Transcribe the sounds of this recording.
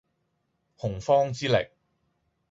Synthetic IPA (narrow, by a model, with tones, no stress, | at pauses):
hʊ˨˩ŋfɔː˥ŋt͡siː˥lɪ̰˨˩k̚